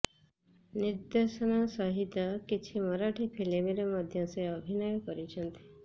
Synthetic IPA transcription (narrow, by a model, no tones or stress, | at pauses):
nɪɾd̪eʃənasəɦit̪akit͡ʃʰiməɾaʈʰipʰelemeɾeməd̪ʱjãseəbʱinɔjopəɾit͡ʃʰənt̪ʰi̥